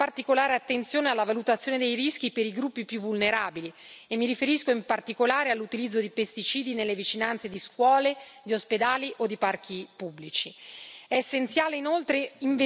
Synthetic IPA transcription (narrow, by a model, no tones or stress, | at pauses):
art̪ikolaːɾeat̪ːent̪sjoːnealːavalut̪at̪sːjoːned̪ejrisk̟ipeɾiɡɾupːipjuvːulneɾaːbili | emːiɾifeɾiskoimpart̪ikolaːɾealːut̪ilid̪zːod̪ipest̪it͡ʃiːd̪inelːevit͡ʃinant̪sed̪iskwɔːled̪iosped̪aːliʔod̪ːipark̟ʰipubːlit͡ʃiɛesːent̪sjaːleinolt̪ɾeiɱv